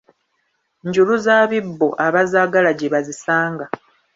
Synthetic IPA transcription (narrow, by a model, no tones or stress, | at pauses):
ɲɟuluzaːβibːo̞ʔaβazaːɡalaɟeβazisaːŋɡa